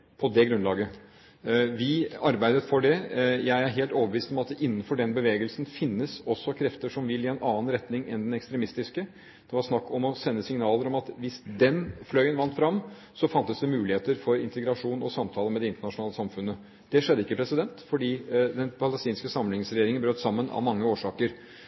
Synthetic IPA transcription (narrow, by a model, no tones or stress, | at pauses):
pʰɔd̪ɛɡɾʉnlɑːɡə | ʋɪɑɾbæɪd̪ət̪fɔɖɛjæɪæɾɦeːlt̪oːʋəbəʋiːst̪ɔmɑt̪̚d̪ɛʔɪnːənfɔɖɛnbəʋeːɡəlsənfɪnːəsɔsːɔkʰɾɛft̪əʂɔmʋɪlɪɛnʔɑːnɾɛt̪nɪŋɛ̰nd̪ɛnɛkst̪ɾɛmɪst̪ɪskə | d̪̥ɛʋɑɾʂnɑkːɔmɔsɛnːəsɪŋnɑːləɾɔmɑt̪ʋɪsd̪ɛnflœʏənʋɑnt̪fɾɑmː | sɔfɑnt̪əsd̪ɛmʉːlɪheːt̪əɾfɔɾɪnt̪əɡɾɑʂuːnɔsɑmt̪ʰɑːləmɛd̪ɛɪnt̪əɳɑʂʊnɑːləsɑmfʉnːə | d̪̥ɛʂɛd̪ːəɪkːəpʰɾɛsɪd̪ɛnt̪fɔɖiːd̪ɛnpʰɑləst̪iːnskəsɑmlɪŋsɾɛjeːɾɪŋənbɾøːt̪sɑmːənɑ̰ʋmɑŋːəoːʂɑːkəɾ